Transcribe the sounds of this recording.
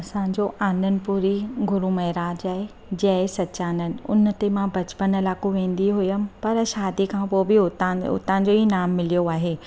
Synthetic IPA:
ɐsãɲ̆d͡ʑoʔãːnd̪ənɪ̆puːɾiɡʊɾumɐɦɪɾaːd͡ʑaːɦe | d͡ʑɐesɐtːɕaːnənɪ̆ʊ̰nt̪emãbɐt͡ɕpənɪlaːkoʋẽːn̆d̪iɦʊjəmɪ̆pɐɾʃaːd̪ikʰãpoːbɪʊt̪ʊ̰t̪ãːd͡ʑoinaːmːɪlijoaːɦeː

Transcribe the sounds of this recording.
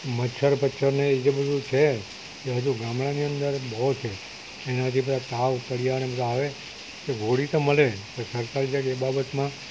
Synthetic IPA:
mətːʃʰəɾpətːʃʰəɾneːd͡ʒebəd̪ʱũt͡ʃʰe | keɦəd͡ʒuɡamɭaniənd̪əɾbɔot͡ʃʰeː | nat̪ʰibəd̪ʱat̪aʋkəɽijanebəd̪ʱaːʋe | keɡʱoɽit̪oməlepəɾsəɾkaɾd͡ʒekebabət̪mã

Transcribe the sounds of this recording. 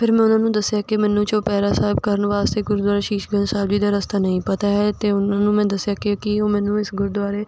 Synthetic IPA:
pʰɪɾmɛ̃ːʊnãːnũːd̪əsːɪjaːkɪmɛːnũːt͡ʃoːpɛːɾaːsaːɦɪb̚kəɾənʋaːst̪eːɡʊɾd̪waːɾeːʃiːʃɡənsaːbd͡ʒiːd̪aːɾəst̪aːnəĩːpət̪aːɦɛːt̪eːʊnãːnũːmɛ̃ːd̪əsːɪjaːkɪkɪoːmɛ̃ːnũːɪsɡʊɾd̪waːɾeː

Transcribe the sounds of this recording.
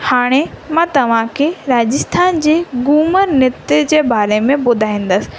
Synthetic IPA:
haːɽ̃emãːt̪ɐʋ̤ãkʰeɾaːd͡ʑɪst̪ʰaːnd͡ʑeːɡuːməɾnɪt̪ed͡ʑeːbʱaːɾemẽbʊd̪ʱaːĩːn̆d̪əsɪ̥̆

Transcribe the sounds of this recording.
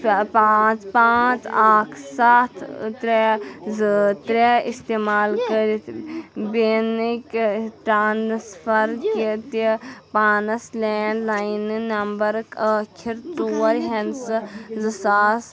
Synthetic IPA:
pat͡spaːt͡saːkʰsaːt̪ʰt̪ɾɛzɨt̪ɾeist̪eːmaːlkəɾit̪ʰbenikʈɾaːnsfɐɾkit̪ipaːnɐsleːnlajnnɐmbɐɾkɐːkʰiɾt͡soːɾɦɐnsɨzɨsaːs

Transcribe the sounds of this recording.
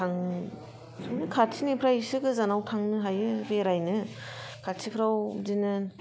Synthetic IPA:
tʰaŋʰ | ɯnɯkʰatsʰinepʰɾajsɯɡɯzanawtʰaŋnɯɦajɯɾeɾajnɯ | kʰatsʰipʰɾawzinɯn

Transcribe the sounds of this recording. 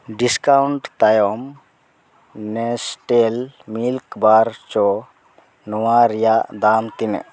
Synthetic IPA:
ɖiskawɳʈt̪ajɔm | nɛsʈelmilkbaɾt͡ʃɔ | nɔwaɾijaʔd̪amt̪inɛ̰ʔ

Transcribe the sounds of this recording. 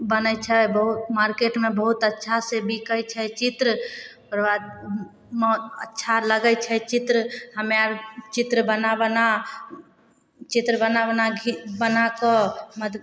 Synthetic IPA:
bənət͡ʃʰɛbəɦut̪maɾkeʈmẽbəɦut̪ətːʃʰasebʱikəjt͡ʃʰɛt͡ʃit̪ɾəpəɾʋad̪ | məətːʃʰaləɡət͡ʃʰɛt͡ʃit̪ɾəhəmeaɾt͡ʃit̪ɾəbənabəna | t͡ʃit̪ɾəbənabənaɡʱibənakəməd̪

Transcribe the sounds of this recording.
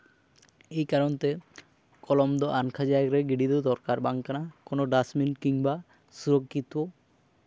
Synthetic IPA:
ejkaɾont̪e | kɔlɔmd̪oʔaŋkʰad͡ʒakɾeɡiɖid̪owd̪ɔɾkaɾbaŋkanakonoɖasminʈkiŋba | suɾokːit̪o

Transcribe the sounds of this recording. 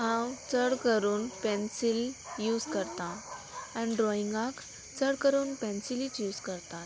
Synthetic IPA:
ɦãwt͡səɽkəɾuːnpɛ̃nsiljuːskəɾt̪ã | ãniɖɾɔiŋɡãk | t͡səɽkəɾuːnpɛ̃nsilit͡ʃjuːskəɾt̪at̪̚

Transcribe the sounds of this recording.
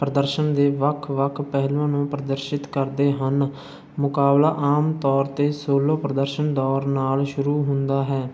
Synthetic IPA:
pɾəd̪əɾʃənd̪eːʋəkʰʋəkʰpɛɦlõːnũːpɾəd̪əɾʃɪt̪kəɾd̪eːɦən | mʊkaːblaːʔaːmt̪ɔːɾt̪eːsoːloːpɾəd̪əɾʃənd̪ɔːɾnaːlʃʊɾuːɦʊnd̪aːɦɛː

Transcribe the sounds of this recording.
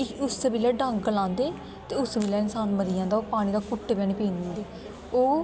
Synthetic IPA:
ʊsbilɛːɖə̃ŋɡɡəlãːnd̪eː | t̪eːʊsbilɛːɪnsaːnməɾiːãːnd̪aːoːpaːɽ̃iːd̪aːkʊʈːbɛ̃ːniːpĩːnːd̪eː | oː

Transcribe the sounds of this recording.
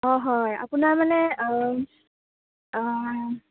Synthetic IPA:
ɔɦɔja̰punaɹmanɛ

